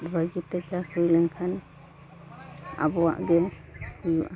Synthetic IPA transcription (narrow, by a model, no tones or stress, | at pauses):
baɡit̪ɛt͡ʃasɾujlɛŋkʰan | a̰bɔwa̰ʔɡɛ | kujuʔa